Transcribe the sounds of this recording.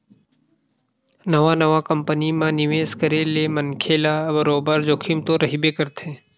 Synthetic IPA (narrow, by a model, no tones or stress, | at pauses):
nəʋanəʋakəmpənimãnɪʋeːskəɾelemənkʰeːlabəɾoːbəɾd͡ʒoːkʰimt̪oɾɐɦibekəɾt̪ʰẽː